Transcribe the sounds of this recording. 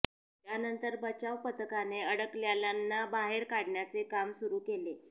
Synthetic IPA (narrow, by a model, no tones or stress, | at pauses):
t̪janənt̪əɾbət͡ɕaʋpət̪əkaneəɽəkljaljanːabaɦeɾkaɽɳjat͡sekamsuɾuːkele